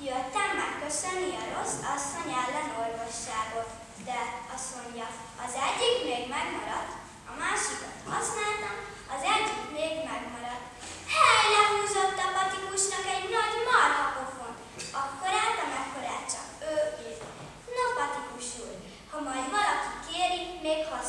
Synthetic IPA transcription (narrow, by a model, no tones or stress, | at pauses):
jøt̪ːɛmːɛkːøsønːiɒɾo̞sɒsːo̞ɲɛlːɛno̞rvo̞ʃːaːɡo̞t̪ | d̪ɛɒsoɲɟɒ | ɒzɛɟːikmeːɡmɛɡmɒɾɒt̪ | ɒmaːʃikot̪hɒsnaːlt̪ɒm | ɒzɛɟːikmeːɡmɛɡmɒɾɒt̪ | hɛjlɛɦuːzot̪ːɔpʌt̪ikuʃnʌkɛɟnʌdʲmɒrɦɔkofon | ɒkːoɾaːt̪ɔmɛkːoɾaːt͡ʃʌ̰køːet | nɔpʌt̪ikuʃul | hɔmɔjd̪mʌɾɔk̪i̥keːɾimeːɡhɒ